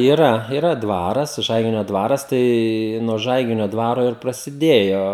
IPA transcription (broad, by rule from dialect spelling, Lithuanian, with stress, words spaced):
iːˈrɐ iːˈrɐ ˈdʋɑːrɐs ˈʒɐɪɡʲɪnʲoː ˈdʋɑːrɐs tɐɪ nuɔ ˈʒɐɪɡʲɪnʲoː ˈdʋɑːroː ɪr prɐsʲɪˈdʲeːjoː